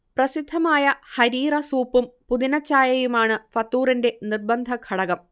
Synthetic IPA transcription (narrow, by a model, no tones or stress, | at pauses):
prɐsid̪ʱːɐmaːjɐhɐɾiːrɐsuːpːumpuðinɐt͡ɕːaːjɐjumaːɳɨfɐt̪ːuːrinde̞nirbɐnd̪ʱɐkʰɐɽɐɣɐm